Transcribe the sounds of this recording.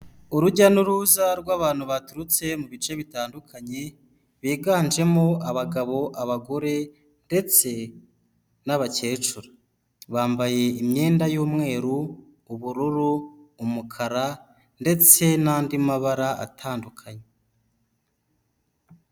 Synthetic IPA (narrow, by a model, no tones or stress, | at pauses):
uɾuɟanuɾuːzaɾɡwaːβaːnhuβatuɾut͡se̞muβit͡ʃe̞βitaːndukʰaɲe̞ | βiːɡaːnd͡ʒe̞moaβaɡaβo̞ʔaβaɡo̞ɾe̞ | nde̞t͡se̞ | naβace̞ːt͡ʃuɾa | βaːmbaje̞imɲe̞ːndajuːmŋe̞ːɾuː | βuɾuɾuːmukʰaɾa | nde̞t͡se̞naːndimaβaɾaʔa̰tʰaːndukʰaɲe